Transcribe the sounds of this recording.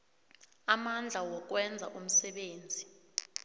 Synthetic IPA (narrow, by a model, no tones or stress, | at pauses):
amand͡ɮʱawɔk̬wɛnd͡zʱa̰ʔum̩sɛɓeːnd͡zʱi